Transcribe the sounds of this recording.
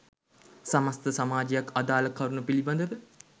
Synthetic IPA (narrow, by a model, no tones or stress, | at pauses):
samast̪əsamaːd͡ʒijakad̪aːləkaɾunupiliband̪əʋə